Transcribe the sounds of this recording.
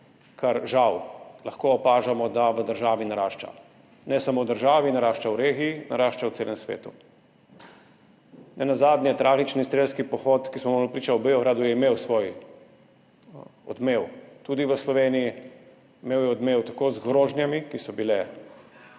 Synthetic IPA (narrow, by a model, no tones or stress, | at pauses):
kʰaɾʒawlaxkoɔpaːʒamɔd̪aʋəd̪əɾʒaːʋinaɾaːʃt͡ʃa̰ | nɛsamoːwd̪əɾʒaːʋinaɾaːʃt͡ʃawɾeːɡijinaɾaːʃt͡ʃawt̪seːlɛmsʋḛːt̪u | nɛnazaːd̪njɛt̪ɾʔaːɡit͡ʃnist̪ɾeːskipɔxot̪kismɔmɔlpɾiːt͡ʃawbeɔɣɾaːd̪ujɛimeːwsʋoj | ɔ̰d̪mewt̪uːd̪iʋəslɔʋeːniji | meːwjɛɔd̪mewt̪akoːzɡɾoːʒnjamikisɔbilɛ